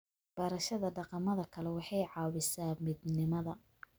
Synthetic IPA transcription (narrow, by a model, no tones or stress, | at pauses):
b̥ɐɾɐʃɐðɐɖɑqɑmɐðɐkʰɐlɛwɑħɑjʕɑːwɪsaːmid̪nɪmɐðɐ